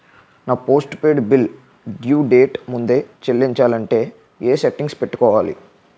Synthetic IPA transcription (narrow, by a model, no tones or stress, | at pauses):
naːpo̞ːsʈpeːɖbil | ɖjuːɖe̞ːʈmund̪e̞ːt͡ʃelːiɲt͡ʃaːlɐɳʈe̞ː | eːseʈːiŋɡspeʈːu̥kɔːʋaːlḭ